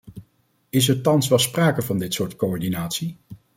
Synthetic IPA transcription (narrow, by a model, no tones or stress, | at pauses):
ɪs̬ɛɹtɑnsʋɛlˠspraːkəvɑndɪtsʊːɹtkoɔɹdinaːtsi